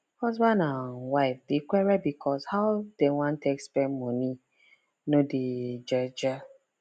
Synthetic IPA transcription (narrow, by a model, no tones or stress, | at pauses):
hɔzbãndanwaɪfdikʷɛɹɛbikʰɔshaʊd̥ewãntʰekspɛ̃nmɔni | noded͡ʒɔd͡ʒa